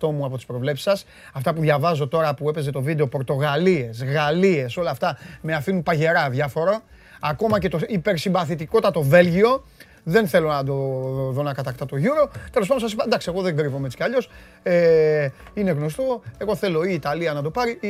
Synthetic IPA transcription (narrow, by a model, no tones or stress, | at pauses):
t̪o̞muɐpot̪ispɾo̞vle̞psi̥sɐs | ɐft̪ɐpuðʝɐvɐzo̞t̪o̞ɾɐpue̞pe̞ze̞t̪o̞vid̪e̞o̞po̞ɾt̪o̞ɣalie̞sɣalie̞so̞lɐːft̪ɐme̞ɐfinumpɐʝe̞ɾɐðʝɐfo̞ɾɐː | ko̞mɐce̞t̪oipe̞ɾsimvɐθit̪iko̞t̪ɐt̪o̞ve̞lʝio̞ | ðe̞nθe̞lo̞nɐd̪o̞ðo̞nɐkɐt̪ɐkt̪ɐt̪o̞ʝuɾo̞t̪e̞los̬pɐd̪osɐs̬ipɐd̪ɐksieɣo̞ðeŋɡɾivomet͡si̥cɐʎo̞s | e | ineɣno̞st̪o̞e̞ɣo̞θe̞lo̞iːt̪ɐliɐnɐd̪o̞pɐɾi